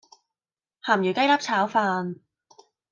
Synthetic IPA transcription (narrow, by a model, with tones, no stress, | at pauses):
haː˨˩mjy˨˩kjlaː˥p̚t͡sʰaː˨˥wfaː˧n